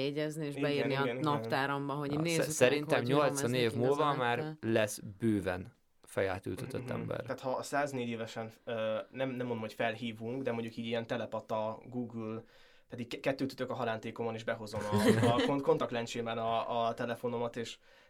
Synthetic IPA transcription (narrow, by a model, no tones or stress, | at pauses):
jeɟɛznieːʒibɛjɡɛniɡɛninɒɛt̪aːɾɔmbɒɦoinzsɛɾint̪ɛmɲo̞ltsɒneːvmulvɒmaːrlɛsbøːvɛ̰n | fɛja̰ːt̪y̰lt̪øøt̪ːɛ̰mbɛ̰raːt̪hɒsaːzneːɟeːvɛʃɛnønɛmnɛmːond̪omhocʲfɛlɦiːvuŋkd̪ɛmoɲɟukiːɟiɛnt̪ɛlɛpɒt̪ːɒɡuːɡyl | pɛd̪ik̚ɛkːɛt̪ːøːt̪y̥t̪økɒɦɒlaːnt̪eːko̞mɒneʒbɛɦo̞zo̞mɒko̞nt̪ɒkt̪lɛnt͡ʃeːbɛnɒːt̪ɛlɛfo̞no̞mɒt̪eːʃ